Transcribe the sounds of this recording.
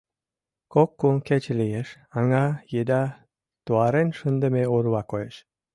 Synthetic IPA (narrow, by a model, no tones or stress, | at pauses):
kokːuŋket͡ɕlijeʃ | ɑŋɑjed̪ɑ | t̪uɑɾenʃənd̪ə̆meoɾβɑkojeʃ